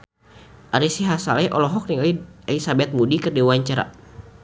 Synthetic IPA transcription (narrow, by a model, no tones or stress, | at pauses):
ʔaɾisiɦasalɛʔɔ̰lɔɦɔk̚niŋalialisabɛt̪̚mudikɨrdiwaɲt͡ʃaɾa̰